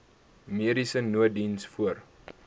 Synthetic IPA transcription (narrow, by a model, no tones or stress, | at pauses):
miəɾisənuədinsfuər